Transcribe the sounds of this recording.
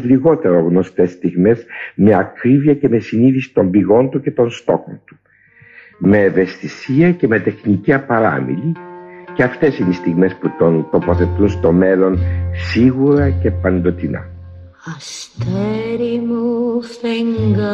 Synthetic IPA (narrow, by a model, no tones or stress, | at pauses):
liɣo̞t̪e̞ɾo̞ɣno̞st̪e̞st̪iɣme̞zme̞ɐkɾiviɐce̞me̞siniθisi̥t̪o̞mbiɣo̞nt̪uce̞t̪o̞nst̪o̞xo̞̰nt̪u̥ | me̞ːve̞st̪isiɐce̞me̞t̪e̞xniciɐpɐɾɐ̰mḭliceɐft̪e̞sinist̪iɣme̞sput̪o̞nt̪o̞po̞θe̞t̪unst̪o̞me̞lo̞nsiɣuɾɐce̞pɐnd̪o̞t̪inɐ̰ | ɐst̪eɾimuθeŋɡ